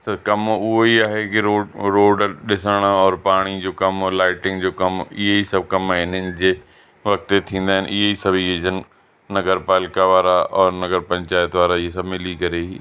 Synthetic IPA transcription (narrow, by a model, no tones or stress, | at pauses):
t̪ɐkɐmʊɦoiaːɦekɪɾoːɾoːɖɗɪsəɽ̃ɔːɾpaːɽ̃id͡ʑoːkɐmlaːɪʈɪ̃ŋɡd͡ʑoːkɐmɪ̰ɦeisɐbʱkɐmaɪn̤ənɪ̆d͡ʑeː | ʋɐk̚t̪et̪ʰĩːn̆d̪aːɦɪnʔɪɦeisɐbʱieːd͡ʑən | nɐɡəɾpaːlɪkaʋaːɾaʔɔːɾnɐɡəɾpɐ̃ɲt͡ɕaːjt̪ʋaːɾaɪɦesɐbmɪlikɐɾeɦiː